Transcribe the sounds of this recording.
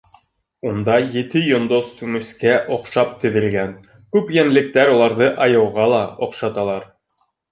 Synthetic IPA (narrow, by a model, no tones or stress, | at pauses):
und̪ɑjɘ̆t̪ɘjŏnd̪osːʉmʉskæʔŏqʃɑp̚t̪ɘ̆ðɘ̆lɡæn | kʉpjænlɘ̆k̚t̪æɾulˠɑɾðɤʔɑjɤ̆wʁɑlˠɑŏqʃɑt̪ɑlˠɑɾ